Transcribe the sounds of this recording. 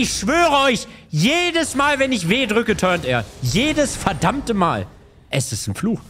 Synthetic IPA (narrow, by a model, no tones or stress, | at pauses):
ɪçʃv̥øːʁəɔʏçjeːdəsmaːlvɛnɪçv̥eːdʁʏkətʰœɐnteːɐjeːdəsfɛɐdamtəma̰ːl | ʔɛsɪstn̩fluːx